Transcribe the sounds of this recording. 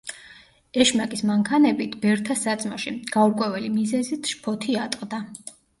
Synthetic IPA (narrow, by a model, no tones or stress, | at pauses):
ɛʃmakʼismaŋkʰanɛbit̪ʰbɛɾt̪ʰasat̪sʼmɔʃiɡ̥auɾkʼwɛvɛlimizɛzit̪ʰʃpʰɔt̪ʰiat̪ʼqʼd̪a